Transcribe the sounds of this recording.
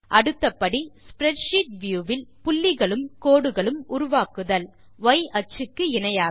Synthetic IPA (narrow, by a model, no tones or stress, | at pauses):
ʔɐɽɯt̪ːɐpːɐɽispɾɛʈʂiːʈ̚ʋjuːʋɪlpʊlːɪɣɐɭɯmkoːɽɯɣɐɭɯmʊɾʊʋaːkɯðɐl | ʋɐɪʔɐt͡ʃɯkːɯɪnɐjaː